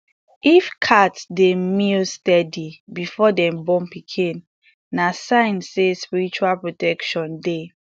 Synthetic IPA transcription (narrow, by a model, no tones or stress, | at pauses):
ifkʰatsdemilstɛdibifɔdɛ̃mbɔ̃mpikʰĩnː | asãɪ̃nsespiɹit͡ʃualpɹotɛkʃɔ̃nde